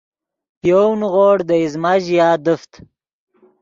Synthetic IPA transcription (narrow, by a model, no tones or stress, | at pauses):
pjownʁoːɽd̪əizmaʒjaːd̪əft̪